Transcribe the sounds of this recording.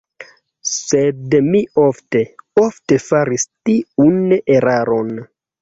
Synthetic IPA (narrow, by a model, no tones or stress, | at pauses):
sedmio̞fte̞ofte̞faɾistiuneɾaɾo̞n